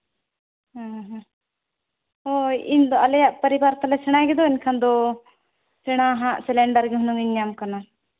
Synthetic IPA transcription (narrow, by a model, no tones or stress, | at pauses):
ɦãɦ | ɔind̪ɔɐlɛjaʔpəɾibaɾt̪alɛsɛɽ̃aɡɛd̪ɔinkʰand̪ɔ | sɛɽ̃aɦãʔsɛlɛɳɖəɾɡɛɦunuŋiɲːamkana